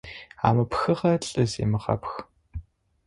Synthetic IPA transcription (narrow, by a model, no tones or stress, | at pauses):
a̰ːmɐpxɐχɐɬʼɨzḛːmɨχɑ̰px